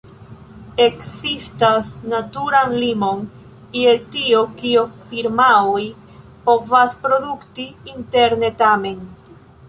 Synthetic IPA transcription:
e̞ksistasnatuɾanlimo̞n | ietiokiofiɾmaoj | po̞vaspɾo̞duktiinte̞ɾne̞tame̞n

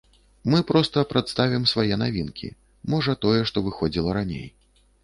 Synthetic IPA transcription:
mɨpɾɔst̪ɐpɾʔat̪st̪avʲimsvajɛnavʲinkʲʰḭ | mɔʐɐt̪ɔjɛʂt̪ɔvɨxɔd͡zʲilˠɐɾanʲḛj

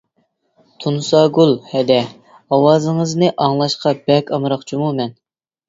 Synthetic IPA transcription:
t̪ʰunsɑɡulˠhɛd̪ɛ | ɑwɑːzɨŋəznɨʔɑŋlˠɑʃqɑbɛkʲʰɑmɾɑqt͡ʃʰumumɛn

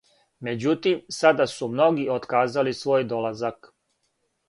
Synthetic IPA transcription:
me̞d͡ʑut̪imsad̪asumno̞ɡio̞t̪kaːzalisʋo̞ːjd̪o̞lazak

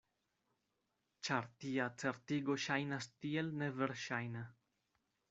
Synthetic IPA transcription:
t͡ʃaɾt̪iat͡seɾt̪iɡoʃajnast̪ielneveɾʃajna

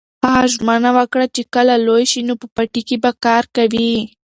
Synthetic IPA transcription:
aʃ̬manawakɽat͡ʃɪkalalojʃɪnʊpapaʈɪkɪpakaːɾkabi

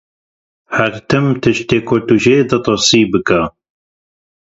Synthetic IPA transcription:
hæɾt̪ʰɨmt̪ʰɨʃt̪eːkʰoːt̪uʒeːd̪ɐt̪ˤosiːbɨka

